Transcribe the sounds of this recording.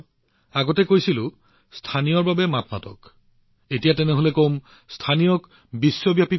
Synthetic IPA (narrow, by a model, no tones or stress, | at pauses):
aɡɔtɛkojsilʊ̃ | stʰanijɔɹbabɛmatʰmatɔ̰k | etijatɛnɛɦolɛkom | stʰanijɔk | bisːɔbjapi